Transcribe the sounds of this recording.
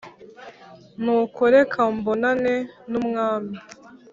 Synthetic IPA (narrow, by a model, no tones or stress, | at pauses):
nukoɾekʰambonanenumŋaːmi